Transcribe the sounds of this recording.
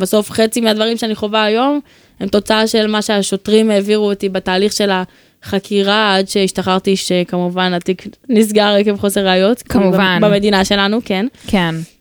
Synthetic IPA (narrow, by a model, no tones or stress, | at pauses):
baso̞fχet͡simiad̪vaʁimʃeaniχo̞vaːjo̞m | hemt̪o̞t͡saaʃe̞lmaʃeaʃo̞tʁime̞ːviʁuotibataːliχʃe̞la | χakʰiʁaadʃe̞iʃtaχaʁt̪iʃekamuvanat̪iknis̬ɡaʁekevχo̞seʁʁeajo̞tavanbamedinaʃe̞lanuke̞nken